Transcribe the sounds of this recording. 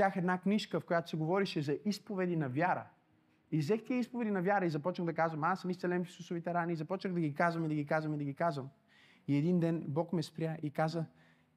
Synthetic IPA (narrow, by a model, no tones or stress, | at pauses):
axɛd̪nakniʃkəfkojat̪ʊ̥sɛɡovɔɾiʃɛzɐʔispovɛd̪inɐvʲjaɾə̰ | izɛxt̪iɛispovɛd̪inɐvʲjaɾəizɐpɔt͡ʃnəɣd̪ɐkazvɐmasɐmist̪ɛlɛmfi̥susʊvit̪ɛɾaniːzɐpɔt͡ʃnəɣd̪ɐɡikazvɐmid̪ɐɡikazvɐmid̪ɐɡʲikazvəm | iɛd̪ind̪ɛnbɔkmɛspɾʲjaʔikazə